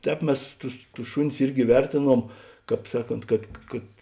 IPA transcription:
ˈtʲɛːp ˈmʲɛs ˈtʊs tʊs ˈʃʊˌnʲɪs ˈɪrʲɡʲɪ ˈʋʲɛrʲtʲeːˌnuɔm ˈkɑːp ˈsɑːˌkoːnt kɐt kɐt

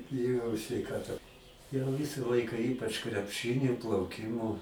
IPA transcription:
bʲɪˈjoːjɛʊ sʲʋʲɛɪˈkɑːtɐ jɛʊ ˈʋʲɪsɐ ˈlˠɐɪkɐ ˈiːpɐt͡ʃ krʲɛpˈʃɨnʲɪ plˠɐʊˈkʲɪmoː

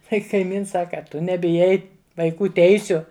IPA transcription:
ˈkɐɪ kɐɪˈmʲɪns ˈsɑːkɐ ɐ ˈtʊ nʲɛbʲɪˈjɛɪ ʋɐɪˈkuː ˈtʲɛɪsʲʊ

